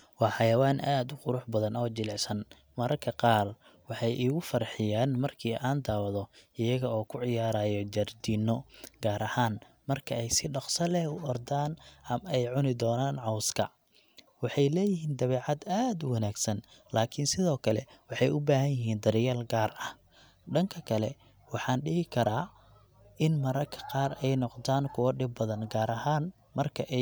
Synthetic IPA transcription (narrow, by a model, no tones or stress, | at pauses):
wɑːħɑjɐwaːnʔaːd̪ʊqʊɾʊħbɐðɐnɔːt͡ʃɪlɛʕsɐn | mɐɾɐrkʰɐqɑːr | wɑħɑjʔiːɣʊfɐrħɪjaːnmɐrkʰiːʔaːnd̪aːwɐðɔʔɪjɐɣɐɔːkʰʊʕɪjaːɾaːjɔd͡ʒɐrd̪iːnːɔɡaːɾɐhaːn | mɐrkʰɐɛjsɪɖɑqsɐlɛʊɔrd̪aːnɐmɛjʕʊnɪd̪ɔːnaːnʕɑwskʰɐ | wɑħɑjlɛːjɪɦiːnd̪ɐβɛːʕɑd̪aːd̪wɑnaːɡsɐnlaːkʰɪnsɪðɔːkʰɐlɛ̰wɑħɑjʊbaːɦɐnjɪɦiːnd̪ɐɾɪjaːlɡaːrɐh | ɖɐŋkʰɐkʰɐlɛ | wɑħɑːnɖɪɦɪkʰɐɾaː | ʔɪnmɐɾɐkʰɐ̥qɑːrɛjnɔqd̪aːnkʰʊwɐɖɪb̚ːɐðɐnɡaːɾɐɦaːn | mɐrkʰɐʔɛ